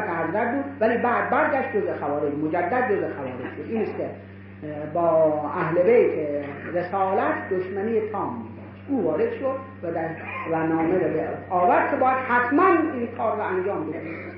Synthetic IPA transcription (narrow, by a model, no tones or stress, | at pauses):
t̪æɾzæɾ̚buːd̪væliːbæːd̪̚bæɾɡʲæʃt̪̚d͡ʒozexævɒːɾed͡ʒmod͡ʒæd̪ːæd̪̚d͡ʒozexævɒːɾed͡ʒʃod̪iːnist̪kʲe | bɒːæhlebejt̪ʰeɾesɑːlæt̪ʰd̪oʃmæniːjet̪ʰɒːmːiːɡæʃuːvɒːɾed̪̥ʃod̪ | væd̪æɾvænɒːmeɾebeɒːvæɾd̪̚kʰʲebɒːjæd̪̥hæt̪ʰmæniːnkʰɒːɾːɔænd͡ʒɒːmbed̪imi